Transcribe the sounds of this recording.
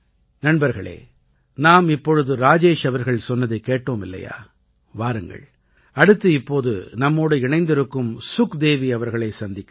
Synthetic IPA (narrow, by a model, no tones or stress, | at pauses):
nɐɳbɐɾɣɐɭḛː | naːmɪpːɔɻɯðɯɾaːd͡ʒeːʂɐʋɐɾɣɐɭsɔnːɐðɐɪkːeːʈːoːmɪlːɐ̰ja̰ː | ʋaːɾɯŋɡɐ̰ɭ | ɐɽɯt̪ːɯɪpːoːðɯ̰nɐmːoːɽɯɪɳɐɪnd̪ɪɾɯkːɯmsʊkd̪eːʋiɐʋɐɾɣɐɭɐɪsɐnd̪ɪkː